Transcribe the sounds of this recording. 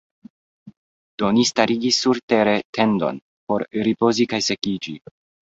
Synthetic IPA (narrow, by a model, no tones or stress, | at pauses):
d̥o̞nistaɾiɡisːuɾte̞ɾe̞tʰe̞ndo̞̰n | po̞ɾɾipo̞zikajse̞kid͡ʒi